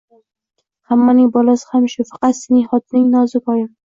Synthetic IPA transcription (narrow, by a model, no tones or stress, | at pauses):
hamːanɪŋbɒlasɪ̥hamʃʊfɑ̥qɑt̪sɪnɪhɒt̪̚ʰnɪŋnɒzɪkʰɒjɪ